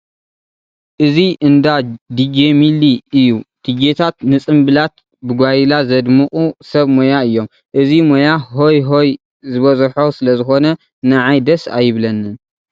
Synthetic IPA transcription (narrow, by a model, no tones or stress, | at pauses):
ʔɨziʔɨnd̪ad̪id͡ʒemiliɨjːud̪̥ɨɡet̪ʰat̪nɨt͡sʼɨmbɨlat̪ | bɨɡʷajilazɐd̪mɨχʼusɐβmojaɨjːo̞m | ʔɨzimojaɦo̞jɦoj | zɨβɐzɐħosɨlɐzɨxo̞nɐ | nɨʕajd̪ɐsa̰jɪβlɐnːɨn